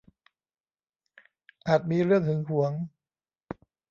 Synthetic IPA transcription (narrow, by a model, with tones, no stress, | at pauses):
ʔaː˨˩t̪̚miː˧ɾɯ˥˩əŋt̪ʰɯ˩˦ŋkʰu˩˦əŋ